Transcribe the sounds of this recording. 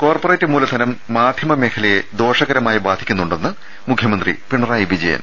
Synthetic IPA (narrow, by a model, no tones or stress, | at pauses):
ko̞ːrporeːtːɨmuːlɐd̪ʱɐnɐmːaːd̪ʱjɐmɐme̞ːkʰɐlɐjed̪o̞ːʂɐɣɐɾɐmaːjibaːd̪ʱikʲːunːuɳɖe̞nːɨ | mukʰːjɐmɐnd̪rḭpiɳɐraːjiʋid͡ʑɐjɐ̰n